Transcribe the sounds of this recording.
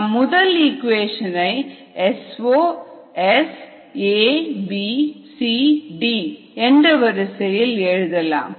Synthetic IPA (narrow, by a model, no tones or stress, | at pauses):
mʊðɐlikʋeːʂɐnɐɪ | ɛsoː | ɛs | eːbisiɖiː | ɛndrɐʋɐɾɐsɐjɪlɛɻɯðɐlã̰ːm